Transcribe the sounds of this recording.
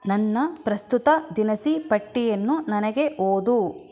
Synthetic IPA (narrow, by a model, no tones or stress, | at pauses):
nɐnːɐpɾɐst̪ut̪ɐd̪inɐsipɐʈːijɐnːunɐnɐɡe̞ʔoːd̪u